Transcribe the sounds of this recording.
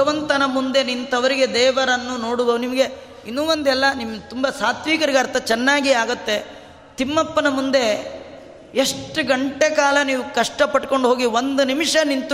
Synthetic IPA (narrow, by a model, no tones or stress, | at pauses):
ɐʋɐnt̪ɐnɐmund̪e̞nint̪ɐʋɐɾiɡe̞d̪ɛːʋɐɾɐnːuno̞ːɽuʋɐnimɐɡe̞ | inːuːʋond̪ɛlːɐnimt̪umbɐsaːt̪ʰʋiːkɐɾiɡɐɾt̪ɐt͡ʃɛnːaːɡiaːɡut̪ːe̞ | t̪imːɐpːɐnɐmund̪e̞ | eʂʈuɡɐɳʈekaːlɐniːʋukɐʂʈɐpɐʈːko̞ɳɖuɦo̞ːɡiʋond̪unimʂɐnint̪